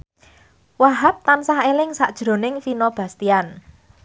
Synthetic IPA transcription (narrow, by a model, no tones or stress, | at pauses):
waɦap̚t̪ansaɦelɪŋsaʔd̥ʒ̥ɾo̤nɪŋfinɔb̥a̤st̪ian